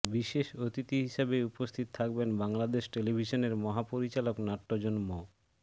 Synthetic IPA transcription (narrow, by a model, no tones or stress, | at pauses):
biʃeʃot̪it̪iɦiʃabeupost̪ʰit̪ot̪ʰakbenbaŋlad̪eʃʈelibʱiʃoneɾmɔɦapoɾit͡ɕaloknaʈːod͡ʑonmo